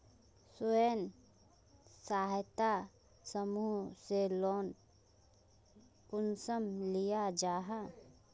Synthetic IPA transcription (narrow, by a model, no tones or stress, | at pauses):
sʊen | saːɦt̪a | səmuɦselɔːn | kʊnsəmlijad͡ʒaːɦa